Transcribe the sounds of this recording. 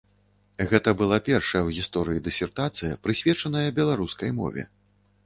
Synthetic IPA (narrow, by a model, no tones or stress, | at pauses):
ɣɛt̪ɐbɨlˠapʲɛrʂɐjɐwɣʲist̪ɔɾɨjid̪ɨsʲɛrt̪at̪sɨjɐpɾɨsʲvʲɛt͡ʂɐnɐjɐbʲɛlˠaɾuskɐjmɔ̰vʲɛ̰